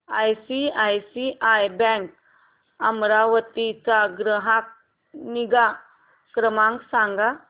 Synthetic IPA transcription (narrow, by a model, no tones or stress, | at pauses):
ajsiajsiʔajbɛ̃ŋk | əmɾaʋət̪it͡saɡɾəɦak̚ | niɡa | kɾəmãŋksãŋɡa